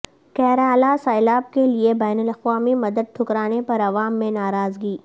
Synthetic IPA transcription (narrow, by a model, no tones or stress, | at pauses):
kɛɦɾaːlasaːɪlaːb̚keliebɛːnʊlɐxʋaːmimɐd̪əd̪̚ʈ̪ʰʊkɾaːnepɐɾɐʋaːmːẽnaːɾaːzɡiː